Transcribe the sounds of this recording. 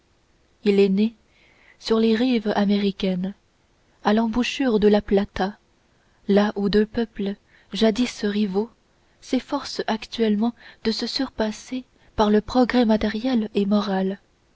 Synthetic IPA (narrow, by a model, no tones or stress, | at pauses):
ilɛne | syʁleʁivameʁikʲɛn | alɑ̃buʃyʁd̪əlaplat̪a | laʔud̪øpœplə | ʒad̪isʁivo | sefɔʁsakt̪ɥɛlmɑ̃d̪̥əsəsyʁpase | paʁləpχɔɡʁɛmat̪ɛʁjɛlemɔʁal